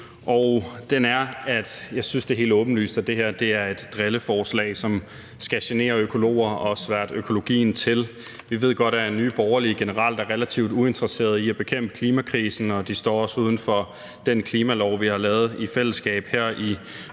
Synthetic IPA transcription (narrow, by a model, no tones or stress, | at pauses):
ʔɒʊd̥enæɐæd̥jɑ̈ɪsynsd̥e̝ɦe̝̰ːld̥ɔ̽ːb̥n̩ly̰ːsd̥æd̥e̝ɦeɐ̰d̥e̝æɐe̝d̥ːʁeləfɒːslɛ̰ːɪsɒ̽m | sɡ̥æɕene̝̰ːɐøkʰo̝lo̝̰ːɐɒɒsʋæɐ̰d̥økʰo̝lo̝ɡ̥ḭːn̩t͡sʰe̝l | ʋiʋe̝ð̰ˠɡ̥ɒ̽d̥æɐeny̰ːb̥ɒʊɐliɡ̥e̝nəʁɑ̈l̰d̥ɑɐʁelæt͡sʰiʊd̥ue̝nd̥ʁəse̝̰ːɐðˠiæb̥e̝kʰem̰b̥ə̥kʰliːmækʰʁiːsn̩ɒ̽d̥isd̥ɒ̰ːɒ̽suːð̞ˠn̩fɒ̽ | d̥enkʰliːmælɒʊʋihɑ̈lɛːð̞̩ˠifel̰əsɡ̥ɛ̰ːb̥heɐ̰i